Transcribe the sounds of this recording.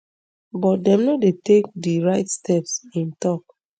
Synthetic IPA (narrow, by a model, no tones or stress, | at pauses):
bɔt̚dɛ̃mnɔtdetekdiɹaɪtstɛpsĩntɔk̚